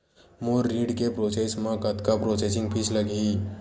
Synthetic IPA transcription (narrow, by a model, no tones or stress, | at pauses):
moːɾːiːɖkepɾoːseːsmãkət̪kapɾoːsesɪ̃ŋɡpʰit͡ʃləɡiː